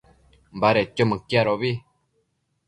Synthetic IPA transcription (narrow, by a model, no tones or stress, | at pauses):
mbaɾet͡ʃomɨ̃kiaɾoβi